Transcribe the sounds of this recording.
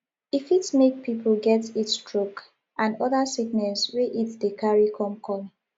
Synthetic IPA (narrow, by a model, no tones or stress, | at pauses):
ifitmek̚pʰipʰl̩ɡɛtitstʰɹok | ʔãnɔðəsiɡnɛlsweʔitdekaɹikʰɔ̃mkʰɔl